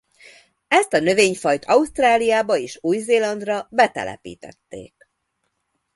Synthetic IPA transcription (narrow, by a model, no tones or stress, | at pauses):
ɛst̪ɒnø̞veːɲfɒjt̪ʰɒust̪raːlijaːbɒeːʃuːjzeːlɒnd̪rɒbɛt̪ɛ̰lʔɛ̰pḭːt̪ɛ̰t̪ːḛːk̚